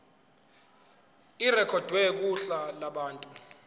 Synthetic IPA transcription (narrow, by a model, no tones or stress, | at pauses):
irɛkʰɔd̥ʱwɛk̬uɬalaɓaːntʼu